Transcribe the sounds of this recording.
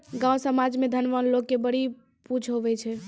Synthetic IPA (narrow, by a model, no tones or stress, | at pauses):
ɡãwsəmad͡ʒmed̪ʱənʋənlokːebəɽ̤i | pud͡ʒʰɦoʋɛt͡ʃʰɛ